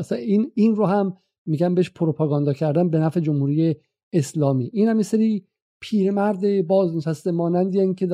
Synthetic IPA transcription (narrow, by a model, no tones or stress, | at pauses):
sæiniːnɾoɦæmː | iːɟæmbeheʃpʰoɾopʰɑːɡɒnd̪ɒcʰæɾd̪ænbenæːfe̞d͡ʒomhuːɾiːje | eslɒːmḭːʔiːnhæmjeseɾiː | pʰiːɾemæɾd̪ebɒːzneʃæst̪emɒːnænd̪ijæikʰed̪